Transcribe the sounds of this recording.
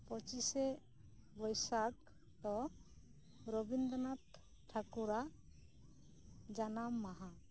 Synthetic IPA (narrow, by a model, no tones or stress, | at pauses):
pɔt͡ʃisɛ | bɔjsak | t̪ɔ | ɾɔbind̪ɔnat̪ | ʈʰːakuɾa | d͡ʒanamːaɦã